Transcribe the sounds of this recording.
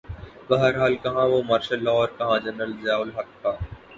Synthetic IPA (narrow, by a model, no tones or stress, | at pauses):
bɐɦəɾɦaːlkɐɦãʋomaːɾʃəlːɔːʋəɾkɐɦãd͡ʒɐnɾəlzaːʊlɦɐt̪̚kaː